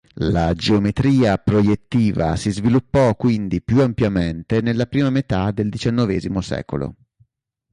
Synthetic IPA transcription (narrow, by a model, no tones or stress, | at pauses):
lad͡ʒeomet̪ɾiːapɾojet̪ːiːva̰sizvilupːɔkːwind̪ipjuampjament̪enelːapɾiːmamet̪ad̪eld̪it͡ʃanːɔvɛːzimosɛ̰ːko̰lo̰